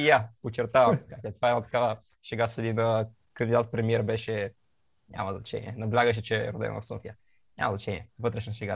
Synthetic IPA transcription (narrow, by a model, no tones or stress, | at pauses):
japot͡ʃɛɾt̪avɐmkakɛt̪vaɛd̪nat̪ɐ̥kavə | ʃɛɡasəd̪inə | kənd̪id̪at̪pɾɛmiɛɾbɛʃɛ | ɲʲʔa̰məznɐt͡ʃɛ̰nʲḭɛnɐblʲaɡəʃ̬ɛt͡ʃɛɾod̪ɛ̰m̰vɐ̰fsɔfijə | ɲʲa̰məznɐt͡ʃɛnḭɛvɤt̪ɾɛʃnɐʃɛɡa